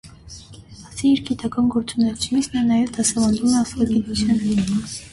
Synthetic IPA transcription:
ɑsiːɾɡit̪ɑkɑnɡɔɾt͡sʼunɛt͡ʃʰumisnɛnɑjɛvd̪ɑsɛvɑnd̪umɛɑsɑɡit̪ut͡sʰjɑnɛ

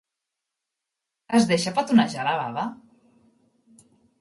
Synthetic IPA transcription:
əzðeʃapat̪unaʒalaβa̰βa

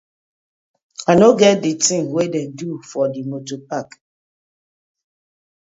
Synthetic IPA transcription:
anoɡɛt̚ditĩŋwedɛ̃ndufɔdimotopak

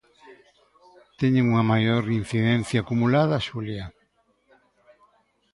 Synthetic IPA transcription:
t̪ɛɲeŋuŋɐmajoɾin̟θiðɛn̟θjaːkumulaðɐʃulja

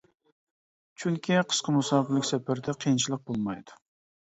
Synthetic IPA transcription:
t͡ʃʰyŋkʲiqʰə̥ʃqɑmusɑːkɪlɪkʲsɛpæɾd̪ɛqʰəjint͡ʃʰilˠəq̚bolˠmɑjd̪̥ʊ̥

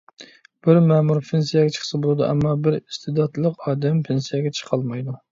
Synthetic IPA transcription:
b̥ɪɾmɛmuɾpʰensijɛɡʲɛt͡ʃʰə̥χʰə̥sɨbolˠɨd̪ṵʔɛ̰mːɑbɪɾist̪ɨd̪ɑt̪ʰlˠəqɑːd̪ɛmpʰensijɛɡʲɛt͡ʃʰə̥qʰɑlˠmɑjd̪u

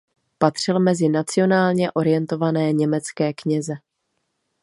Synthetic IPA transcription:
pat̪r̝̥ɪlmɛzɪnat͡sɪo̞naːlɲɛʔo̞ɾɪjɛnt̪o̞vanɛːɲɛmɛt͡skɛːkɲɛzɛ

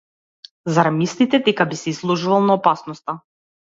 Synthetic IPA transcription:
zaɾamist̪it̪ɛd̪ɛkabisɛislˠɔʒuvalˠnaɔpasnɔst̪a

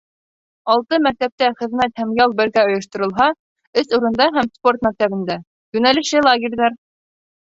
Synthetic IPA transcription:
ɑlˠt̪ɤmæk̚t̪æp̚t̪æχɘ̆ðmæt̪̚hæmjɑlˠbɘ̆ɾɡæŏjŏʃt̪ŏɾɤ̆lˠɦɑ | ɘsuɾɤ̆nd̪ɑɦæmspo̞rt̪mæk̚t̪æβɘ̆nd̪æ | jʉnælɘ̆ʃɘlˠaɡʲĕɾʲðɑɾ

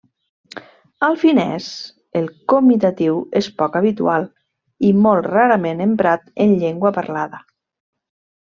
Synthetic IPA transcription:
alˠfinɛ̰s | elˠkomit̪at̪iwespɔkaβit̪ṵalˠ | imɔlˠtraɾəmenəmpɾat̪ənʎeŋɡwəpaɾlaðə

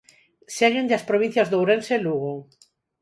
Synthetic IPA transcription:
seɣẽnd̪aspɾoβĩn̟θjɐzðowɾenseluɣo

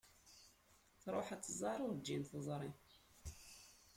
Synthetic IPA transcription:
θɾˤoħæt͡sːzˤɑɾˤʊɾd͡ʒːinθəzˤɾˤi

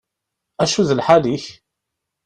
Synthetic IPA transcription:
æʃuðəlħaliç

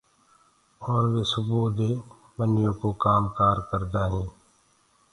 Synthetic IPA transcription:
ɔːɾʋeːsʊbuːd̪e | bənɪjõkokaːmkaːɾkəɾd̪aːɦɛ̃ː

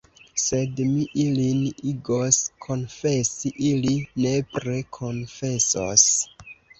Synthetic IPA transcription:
se̞dmiʔiliniɡoskʰo̞nfe̞siʔiline̞pɾe̞kʰo̞nfe̞so̰s

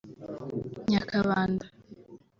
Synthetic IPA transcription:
ɲakʰaβaːnda

